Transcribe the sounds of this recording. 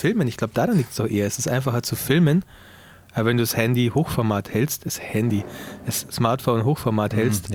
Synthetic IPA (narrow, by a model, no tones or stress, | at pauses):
fɪlmənɪçɡ̥laʊbə̥d̥aːʁanliːk̚tsd̥ɔχʔeːɐɛsɪstʔa̰ɪnfaχɐt͡sufɪlmən | ʔaːbvɛnduːshɛndihoːxfɔɐmaːthɛlstɪshɛndid̥əsːmaːɐtfoːnɦoːxfɔɐmaːthɛlst